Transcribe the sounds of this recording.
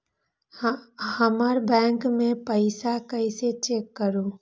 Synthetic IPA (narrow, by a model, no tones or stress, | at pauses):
həməɾbɛ̃ːŋkmẽpəɪsakəɪset͡ʃeːkːəɾũː